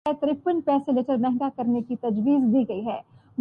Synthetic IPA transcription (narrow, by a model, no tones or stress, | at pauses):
ɛt̪ɾɪpənpɛːselet͡ʃəɾmɛɦŋɡakɐɾnekit̪ɐd͡ʒʋiːzbʱiɡɐiɦɛːm